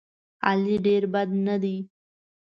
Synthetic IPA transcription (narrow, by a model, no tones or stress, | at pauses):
a̰liɖeːɾbɐd̪nəd̪iː